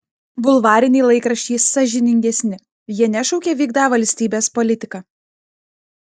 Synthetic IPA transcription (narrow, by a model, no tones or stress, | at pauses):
bʊlˠʋɑːɾʲɪnʲiːlˠɐɪkɾɐʃʲt͡ʃʲiːsɑʒʲɪnʲɪŋʲɡʲɛsʲnʲɪ | jiɛnʲɛʃɔʊkʲeːʋʲiːɡd̪ɑːʋɐlʲsʲt̪ʲiːbʲeːspɔlʲɪt̪ʲɪkɑː